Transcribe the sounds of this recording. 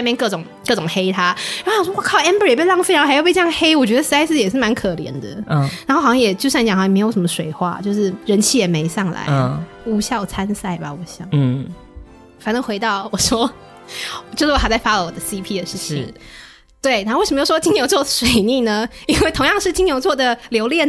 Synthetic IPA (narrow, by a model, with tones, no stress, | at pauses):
ɪmjɛ˥˧nkɤ˥˩ʈ͡ʂʊ˨˩˦ŋkɤ˥˧˩ʈ͡ʂʊ˨˩ŋxe˥ɪt̪ʰa˥ɻwwa˥˩kʰɑ˥˩ʊɛ˥mbə˧˥jɛ˨˩pe˥˧lɑ˥˧ŋfjpe˥˧ʈ͡ʂjɑ˥˧xe˥ɪwɔ˨˩t͡ɕɥɛ˧˥d̪ə˧s̩˥a˥ɪsɹ̩˥˨jɛ˨˩ʂ̬ɻ̩˥˩ma˧˥nkʰɤ˨˩ljɛ̰˧˥nd̪ə̰˧na˨˥nxo˥˩xɕjŋ˧jɛ˨˩t͡ɕjo˥ʊsja˥˩n˧t͡ɕɑ˨xm˧˥ɪjo˧ʊʂmə˧ʂwe˨˩ɪxwa̰˥˩t͡ɕjo˥˧ʂɻ̩˥˩ɻə˧˥nt͡ɕʰi˥˩jɛ˨˩me˧˥ɪsɑ˥˩ŋla̰˧˦ɪ˧ | u˧˥ɕjɑ˥˩ʊt͡sʰa˥nsa˥˩ɪba̰˨wɔ˧˥ɕjɑ˨˩˦ | fa˨˩nə˧˥xwe˧˥ɪt̪ɑ˥˩ʊwɔ˨˩ʂwɔ˥˩ | t͡ɕo˥˧ʊʂɻ̩˥˩ɔ˨˩xɪt͡sa˥˩fa˥˧˩wɔ˨˩d̪ə˦si˥pʰi˥d̪ə˨˦ʂɻ̩˥˩t͡ɕʰḭ˩˨˩ŋ | t̪we˥˩ɪna˧˥o˥˧˥ʂm˧jwt͡ɕi˥ŋjo˧˥ʊt͡swɔ˥˩əʂwe˨˩ɪni˥˩nə˩i˥nwe˥˩t̪ʰʊ˧˥ŋjɑ˥˧ŋʂɻ̩˥˩t͡ɕi˥ŋjo˧˥ʊt͡swɔ˥˩d̪ə˩ljo˧ʊljɛ˥˩n